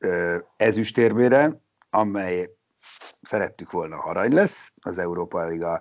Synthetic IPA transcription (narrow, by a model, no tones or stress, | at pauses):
øɛzyʃt̪eːrmeːɾɛ | ɒmɛj | sɛɾɛt̪ːykʋo̞lnɒ̰hɒɾɒɲlɛsː | ɒzɛuɾoːpɒliɡɒ